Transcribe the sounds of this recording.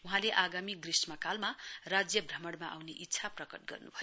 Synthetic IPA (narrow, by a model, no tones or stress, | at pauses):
uɦãleʔaɡamiɡrismakalmarad͡zjʌbʱrʌmʌɽmaʔawneʔitːsʰaprʌkʌʈ̚ɡʌ̰rnṵbʱʌjo